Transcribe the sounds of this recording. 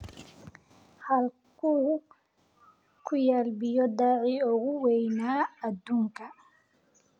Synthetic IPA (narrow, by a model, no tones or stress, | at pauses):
hɐl | kʰuː | kʰʊjaːlbɪjɔd̪aːʕiːɔɣʊwɛjnaːɐd̪uːŋkʰɐ